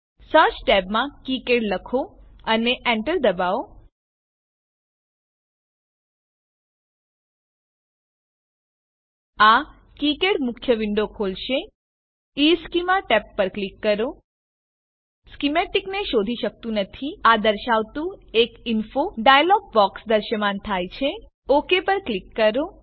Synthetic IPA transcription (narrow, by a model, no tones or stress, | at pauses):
səɾt͡ʃʈɛbmãkikeɽləkʰoəneʔɛ̃ɳʈəɾd̪əbao | a | kikeɽmʊkʰjəʋɪɳɖokʰolʃe | iskimaʈɛpːəɾklikːəɾo | skimeʈikneʃod̪ʱiʃək̚t̪ũnət̪ʰiad̪əɾʃaʋt̪ũekinfoɖajlɔɡ̚bɔksd̪əɾʃəmant̪ʰajt͡ʃʰe | okepəɾklikːəɾo